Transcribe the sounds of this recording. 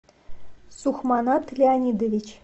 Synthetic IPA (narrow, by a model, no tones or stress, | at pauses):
suxmɑnɑt̪lʲeanʲid̪ovʲit͡ɕ